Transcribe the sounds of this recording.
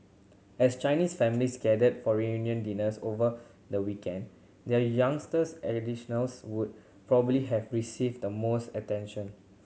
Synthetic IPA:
ɛst͡ʃaɪnisfɛmiliskɛdədfɔɹiũnjə̃ndinəsovə | dəwikɛ̃nd | dɛjãŋstəsɛdiʃənəlswud̚ | pɹɔbəəbliɦɛvɹisivdəmostətɛ̃nʃə̃n

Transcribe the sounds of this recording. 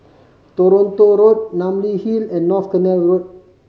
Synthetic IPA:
t̪oɾõnt̪oɾot̚nãmlihilɛ̃nːɔfkənɛlrot̚

